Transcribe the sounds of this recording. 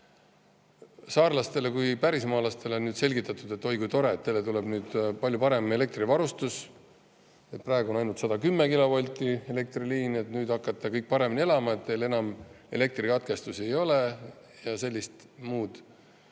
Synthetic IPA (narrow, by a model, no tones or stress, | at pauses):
sɑːrlɑst̪e̞le̞kujpæɾismɑːlɑst̪e̞leonnyːd̪̥se̞lʲɡit̪ːˑɑt̪ːˑud̪̥e̞t̪ːo̞jɡ̥ut̪o̞ɾe̞t̪ːelet̪uleb̥nyːd̪̥pɑlʲjupɑɾe̞me̞le̞k̚t̪rivɑɾust̪us | e̞t̪̚prɑˑeɡuonɑjnult̪sɑd̪ɑkymːekilo̞polʲt̪ːˑie̞le̞k̚t̪riliːne̞t̪nyːd̪̥ɑkːˑɑt̪ːˑɑkɤjk̚pɑɾe̞minʲie̞lɑmɑet̪ːele̞nɑme̞̰le̞k̚t̪rikɑt̪̚ke̞st̪use̞jo̞le̞ | jɑse̞lʲːist̪ | muːd̪̥